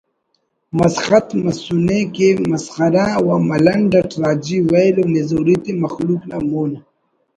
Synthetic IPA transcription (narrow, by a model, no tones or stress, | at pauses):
mɐsxat̪mɐsunekemasxaɾãːwamɐlɐnɖaʈɾaːd͡ʒiwajlomezoɾit̪emɐxluklamoːna